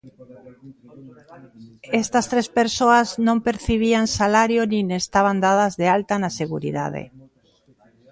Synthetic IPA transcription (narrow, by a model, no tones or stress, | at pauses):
ɛst̪ɐst̪ɾespeɾsoaznõmpeɾθiβ̞iaŋsalaɾjonĩnest̪aβ̞and̪aðɐzðealt̪anaseɣuɾḭða̰ð̞ḛ